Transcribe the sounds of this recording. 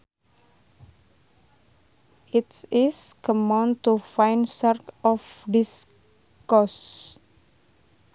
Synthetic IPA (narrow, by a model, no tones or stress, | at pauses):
itsiskɔmãnt̪ufajnsərkɔfdis | kɔs